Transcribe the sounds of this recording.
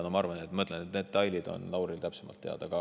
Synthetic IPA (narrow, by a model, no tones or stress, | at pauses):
nomɑɑrvɑnet̪ːmɤt̪lenet̪ned̪t̪ɑjlʲid̪o̞̰nlɑwɾilt̪æpsemɑ̰lt̪ːe̞ɑ̰d̪̥ɑkɑ